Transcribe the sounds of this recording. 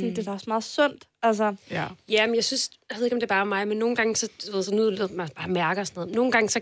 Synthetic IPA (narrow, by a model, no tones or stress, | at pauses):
nd̥e̝d̥æɒsmɑ̈ːð̩ˠsɔn̰d̥æls̬ɐjæmenjɑ̈ɪsynsjḁʋeðˠe̝ɡɒ̽md̥eb̥ɑ̈ːmɑ̈ɪmenːo̝ːn̩ɡ̥ɑ̈ŋəsɒ̽d̥uʋeð̰ˠsɒnuðˠleðˠmæb̥ɑ̈ːmæɐɡ̥ɐsnɔð̩no̝ːn̩ɡ̥ɑ̈ŋsɒ